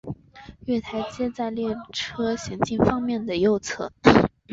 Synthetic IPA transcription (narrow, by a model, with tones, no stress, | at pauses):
ɥɛ˥˩t̪ʰa˧˥ɪt͡ɕjɛ˥t͡sa˥˧ɪljɛ˥˩ʈ͡ʂʰɤ˥ɕjɛ˧˥ŋt͡ɕi˥˩nfɑ˥ŋmjɛ˥˩nd̪ə˩jo˥˧ʊt͡sʰɤ̰˥˩